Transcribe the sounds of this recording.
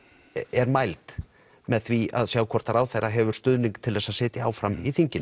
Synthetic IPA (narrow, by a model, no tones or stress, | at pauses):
ɛɾmajlt̪ | mɛðθvia̰ðsjaːwkʰɔɾ̥t̪aɾaːwθejraɦɛvʏɾ̥st̪ʏðniŋkt̪ʰɪlðɛsaðsɪːt̪jaa̰ːwfɾamiθiɲcɪn